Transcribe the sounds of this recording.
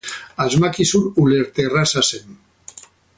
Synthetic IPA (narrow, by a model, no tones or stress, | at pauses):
azmakisunuleɾt̪erasasen